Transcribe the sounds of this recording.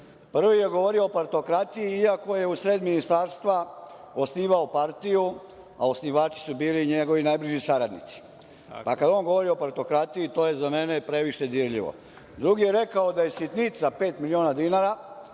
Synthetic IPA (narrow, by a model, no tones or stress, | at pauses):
pr̩ʋijeɡo̞ʋo̞ɾioopoɾt̪o̞kɾat̪ijiiako̞je̞usɾed̪minist̪aːɾst̪ʋa | o̞sniːʋaopaɾt̪iju | aosniʋaːt͡ʃi̥subiːliɲeɡo̞ʋinajbliʒisaɾad̪nḭt̪si̥ | pakad̪o̞ːnɡo̞ʋo̞ɾioopoɾt̪o̞kɾat̪ijit̪o̞je̞zame̞nepɾe̞ʋiʃe̞d̪iɾʎḭʋo̰ | d̪ɾuɡijeɾe̞kaod̪aje̞sit̪nit̪sape̞ːt̪milio̞ːnad̪inaɾa